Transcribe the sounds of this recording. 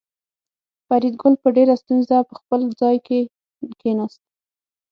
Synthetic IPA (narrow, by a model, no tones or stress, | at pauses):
faɾid̪̚ɡʊlpəɖeɾast̪unzapəxpəld͡zɑjke | kenast̪